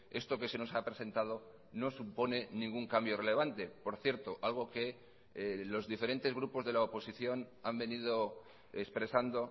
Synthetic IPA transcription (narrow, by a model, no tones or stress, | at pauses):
e̞st̪o̞ke̞se̞no̞sapɾe̞sent̪að̞o̞ | no̞supo̞ne̞nĩŋɡuŋkambjo̞re̞le̞β̞ant̪e̞po̞ɾθje̞ɾt̪oʔalɣ̞o̞ke̞ | lo̞zðife̞ɾe̞nt̪e̞zɣ̞ɾupo̞zðe̞laopo̞siθjo̞nambe̞nið̞o̞ | espɾe̞sand̪o̞